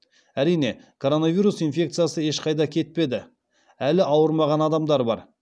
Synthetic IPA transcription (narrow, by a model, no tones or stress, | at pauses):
æɾijne̞kʰo̞ɾo̞navʲijɾusijnfʲe̞kt̪sɨjasəe̞ʃqʰɑjd̪ɑkʲʰe̞t̪̚pe̞d̪ɪ | ælɪʔɑwəɾmɑʁɑnɑd̪ɑmd̪ɑɾbɑ̰ɾ